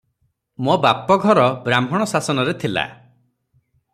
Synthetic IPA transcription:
mobapɔɡʱɔɾɔbɾambʱɔɽ̃ɔsasɔnɔɾet̪ʰila̰

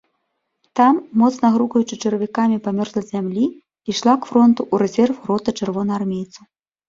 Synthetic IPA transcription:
t̪amːɔt̪snɐɣɾukɐjut͡ʂɨt͡ʂɐɾɐvʲikamʲipamʲɔrzlˠɐzʲamlʲi | iʂlˠakfɾɔnt̪uʔuɾɛzʲɛrfrɔt̪ɐt͡ʂɨrvɔnɐarmʲejt̪sɐ

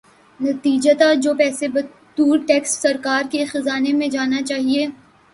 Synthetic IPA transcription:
nɐt̪iːd͡ʒat̪ad͡ʒoːpɛːsebɐ | t̪uːɾʈɛːksːɐɾkaːɾkexɐzaːnemẽd͡ʒaːnat͡ʃaːɦieː

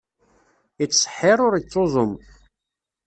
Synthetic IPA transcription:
it͡sːsˤə̥ħɪɾˤʊɾit͡sːozˤʊm

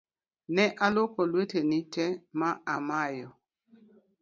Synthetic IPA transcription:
nɛʔalokɔlwetenit͡ʃɛmaamajɔ

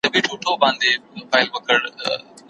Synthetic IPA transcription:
t̪ɐbiʈʰuʈʰobãːnd̪emoːbaːɪlʋɐkʰəɽ

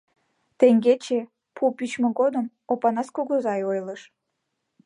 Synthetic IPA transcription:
t̪eŋɡet͡ɕe | pʰupyt͡ɕmĕɡod̪əm | opɑnɑskoɡozɑjojləʃ

